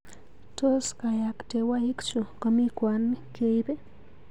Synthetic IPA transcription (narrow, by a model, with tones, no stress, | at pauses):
to˦ska˨ja˨kte˨wa˦i˦kt͡ʃu˨kɔ˨mi˦kwa˨nke˦i˦be˦